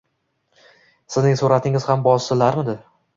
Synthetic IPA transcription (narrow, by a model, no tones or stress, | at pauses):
sɪznɪŋsuɾat̪ʰɪŋɪz̥hambɒsɪlaɾmɪd̪ɪ